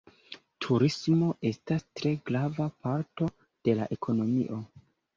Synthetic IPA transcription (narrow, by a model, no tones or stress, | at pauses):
tʰuɾismo̞ʔe̞stastɾe̞ɡɾavapaɾto̞ | d̥e̞la̰ʔe̞kʰo̞no̞mḭʔo̞